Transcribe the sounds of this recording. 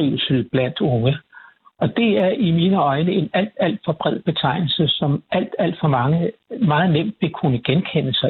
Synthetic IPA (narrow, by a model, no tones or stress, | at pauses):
iʊlsl̩b̥læn̰d̥ɔ̽ŋə | ʔɒ̽d̥e̝æɐʔimiːnəɒ̽ɪnəe̝næl̰d̥æl̰d̥fɒ̽b̥ʁɛð̰ˠb̥e̝t͡sʰɑ̈ɪ̰nl̩səsɒ̽mʔæl̰d̥æl̰d̥fɒ̽mɑ̈ŋəmɑ̈ːð̞̩ˠnem̰d̥ʋe̝kʰunəɡ̥enkʰenəsɑ̈ɪ